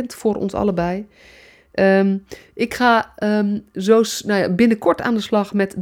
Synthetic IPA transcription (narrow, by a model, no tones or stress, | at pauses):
ntfʊrɔ̰nsa̰ləbɛj | ʔəʔɪkxaəzoːsnojabɪnəkʰɔɹtʰa̰ːndəslɑxmɛt